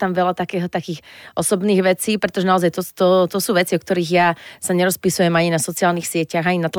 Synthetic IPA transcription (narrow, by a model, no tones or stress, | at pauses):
t̪amʋɛlat̪akɛːɦɔt̪akiːxʔɔsɔbniːɣʋɛt͡siːpɾɛt̪ɔʒɛnaɔzajt̪ɔt̪ɔt̪ɔsuːʋɛt͡siɔk̚t̪ɔɾiːɣjasaɲɛɾɔspisujɛmaɲinasɔt͡siaːlniːxsɪɛcaɣaɲinat̪